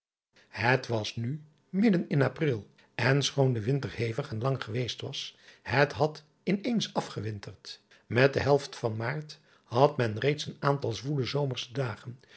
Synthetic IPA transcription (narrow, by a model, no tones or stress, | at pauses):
hətʋɑsny | mɪdənɪnaprɪlˠ | ɛnsχoːndəʋɪntəɹhejvəχɛnlɑŋχəʋejstʋɑshətɦɑt | ɪnejnsɑfχəʋɪntəɹt | mɛt̚dəɦɛlˠftfɑnmaːɹt | hɑtmɛnrejtsənaːntɑlˠzʋuləzowməɹsdaːχən